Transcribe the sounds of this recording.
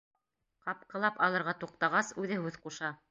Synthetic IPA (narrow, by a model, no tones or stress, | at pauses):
qɑp̚qɤ̆lˠɑpɑlˠɤ̆ɾʁɑt̪uq̚t̪ɑʁɑsʉðɘɦʉðquʃɑ